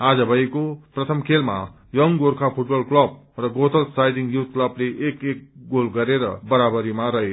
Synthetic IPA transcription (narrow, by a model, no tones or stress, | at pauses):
ad͡zʌbʱʌjkoprʌt̪ʰʌmkʰelma̰ | jʌŋɡoɾkʰapʰuʈ̚bʌlklʌb̚ | rʌɡot̪ʌlsajɖiŋjut̪̚ʰklʌbleʔekek̚ɡolɡʌɾeɾʌ̰bʌɾabʌɾimaɾʌɦe